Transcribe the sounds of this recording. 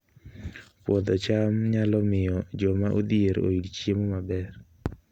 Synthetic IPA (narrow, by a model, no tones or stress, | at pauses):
pwɔd̪ɔt͡ʃamɲalɔmɪjɔd͡ʒɔmaʔod̪ieɾo̰ilt͡ʃjemomabɛr